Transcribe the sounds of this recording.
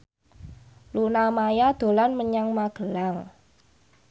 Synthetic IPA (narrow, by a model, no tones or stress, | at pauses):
lunamajad̪̥o̤lanməɲaŋmaɡ̥ə̤laŋ